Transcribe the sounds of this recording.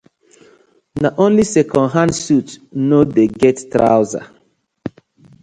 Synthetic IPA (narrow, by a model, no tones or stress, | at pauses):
naʔõnlisɛkʰɔ̃nɦãndsutnodeɡɛttɾa̰ʊza̰